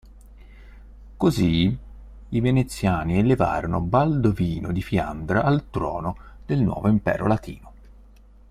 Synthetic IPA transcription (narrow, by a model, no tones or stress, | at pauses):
kozi | ivenet̪sːjaːnieleva̰ːɾonobald̪oviːnod̪ifia̰nd̪ɾaʔːlt̪ɾɔ̰ːnod̪elnwʔɔ̰ːvoimpɛ̰ːɾo̰lat̪ḭːno